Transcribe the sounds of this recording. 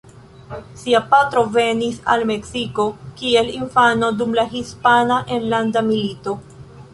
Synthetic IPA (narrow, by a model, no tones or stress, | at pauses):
siapatɾo̞ve̞nisa̰lme̞ksiko̞kie̞linfano̞dumlaɦispanaʔenlandamilito̞